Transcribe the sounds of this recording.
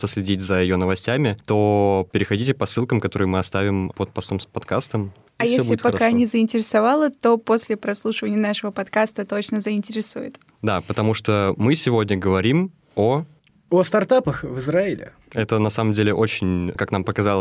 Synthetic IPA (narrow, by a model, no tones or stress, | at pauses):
t̪əsʲlʲɪdʲitʲzəɪjonəvɐsʲtʲæmʲɪt̪opʲɪɾʲɪxɐdʲitʲɪpɐsːɨlˠkəmkɐt̪o̞ɾɨjmɨɐst̪avʲɪmpot̪̚pɐst̪o̞mspɐt̪kast̪əm | iajfeobʲsulɪt̪pɐkanʲɪzəɪnʲtʲɪɾʲɪsɐvalˠət̪o̞posʲlʲɪpɾɐslˠuʂɨvənʲɪjənaʂəvəpɐt̪kast̪ət̪ot͡ɕnəzəɪnʲtʲɪɾʲɪsujɪ̰t̪ | d̪apət̪ɐmuʂt̪omɨsʲɪvo̞dʲnʲəɡəvɐɾʲim | o | ost̪ɐrt̪apəxvɨzɾaɪlʲɪ̰ | ɛt̪ənɐsaməmdʲelʲɪʔo̞t͡ɕɪnʲkaknampəkɐzɑlˠə